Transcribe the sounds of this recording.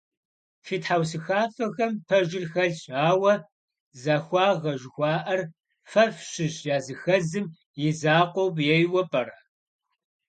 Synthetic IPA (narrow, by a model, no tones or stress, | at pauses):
fiːtħaws̬ɨxaːfɐɣɐmpʰɐʒɪrxɐɮɕʼaːwɐ | zaxʷɑːʁɐʒɪxʷɑːʔɐr | fɐfɕɪʑjaːzɨxɐzɨm | jɪzaːqʷowbjɛjwɐpʼɐrɐ